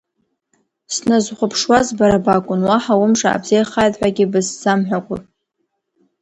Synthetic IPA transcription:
snazχʷʊpʰʂwazbaɾabakʷʼʊnwaħawʊmʂa̰ːbz̥ejχajtħʷᶣaɡʲɪbɨszamħᶣakʷʼʊ

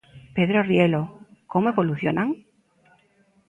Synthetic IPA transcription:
peðɾorjelokomoeβo̞luθjonaŋ

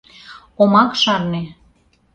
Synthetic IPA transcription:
omɑkʃɑrne

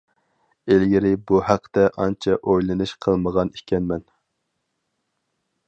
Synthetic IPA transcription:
elɡʲiɾɪbuhæqʰt̪ɛʔɑnt͡ʃʰɛʔojlˠɨnɨʃqʰəlˠməʁɑni̥ʃkʲɛnmɛn

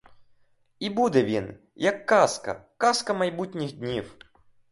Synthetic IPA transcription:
ibud̪ɛvʲin | jɐkːaskɐ̰kaskɐmɐjbutʲnʲixd̪ʲnʲif

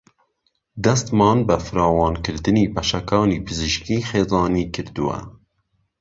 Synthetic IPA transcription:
d̪ɛst̪mɑːnbɛfɨɾɑːwɑːnkɨɾd̪ɨniːpɛʃɛkɑːniːpʰɨzɨʃkiːxeːzɑːniːkʰɨɾd̪uwɛ̰

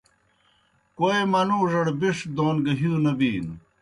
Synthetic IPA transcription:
koemɐnuːʐɐɽbiʂd̪oːnɡɐɦuːnɐbiːn

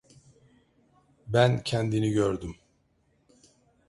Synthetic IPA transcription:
bæncʰɛnd̪iniɟøɾd̪ym

